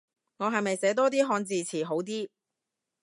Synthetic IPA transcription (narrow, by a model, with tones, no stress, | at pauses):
ŋɔː˨˧ɦɐ˨jmɐ˨jsɛː˨˥t̪̬ɔː˥t̪iː˥ɦɔː˧nt͡siː˨˧t͡sʰiː˨˩ɦo˨˥wt̪iː˥